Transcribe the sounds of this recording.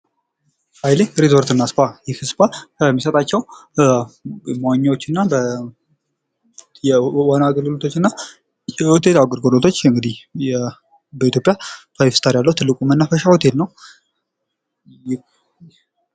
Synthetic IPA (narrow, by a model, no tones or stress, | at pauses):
ajleɾizoɾt̪ɨnːaspʰajɪhɨspʰakʰəmːisət̪ʼat͡ʃːɛw | mawaɲːawot͡ʃːɨnːabə | jɛwanaɡəlɡɨlot̪ʰot͡ʃːɨnːa | jɛwɔt̪ʰet̪awɡɨɾɡolot̪ʰo̞t͡ʃːɨŋɡɨd̪ihjɛ | bəit̪ʰʲjo̞pʼjat̪ʰajfst̪ʰaɾjalːəhut̪ʰɨlːɨkʼumənːafəʃawɔt̪ʰet̪nəw